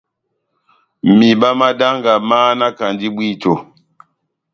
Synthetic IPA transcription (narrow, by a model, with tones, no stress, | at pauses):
mi˨ba˦ma˦da˦ŋɡa˨maː˦na˦ka˨ndi˦ɓwi˦˨to˨